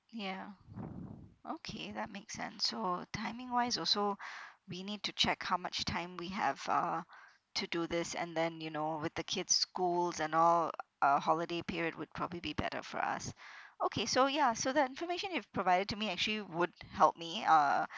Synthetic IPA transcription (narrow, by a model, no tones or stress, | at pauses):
jæ | ʔokʰeðət̚meɪksɛ̰̃nsːotʰãɪ̃mɪ̃ŋwaɪzɔlˠsowinid̚tut͡ʃʰɛkhaʊmat͡ʃtʰãɪ̃mwiɛ̰v̥ʌ̰ | tʰuduðɪsɛ̰̃nðɛ̃njɨnowɪðəkʰɪdz̥skulˠzɛ̃nɔlˠʔʌhɔlədepʰiɹiəd̚wʊd̚pʰɹ̥ɔbəblibibɛ̰ɾə̰fɔ̰ɹʌ̰sʔokʰesojæsoðətɪ̃nfəmeʃə̃nɪv̥pʰɹ̥əvaɪɾəd̚tumiæk̚t͡ʃl̩iwʊd̚hɛlˠp̚miʌ